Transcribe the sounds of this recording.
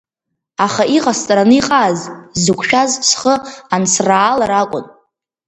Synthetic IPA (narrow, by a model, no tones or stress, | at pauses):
aχaʔiqʼast͡sʼɾanɨiqʼaːzzɨkʷʰʼʃᶣazsχəansʰraːlaɾakʷʼʊ̰n